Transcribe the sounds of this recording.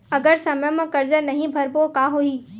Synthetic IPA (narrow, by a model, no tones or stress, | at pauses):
ɐɡəɾsɐməjəmãkɐɾd͡ʑəɾnɐɦĩbʱɐɾpokaːɦuiː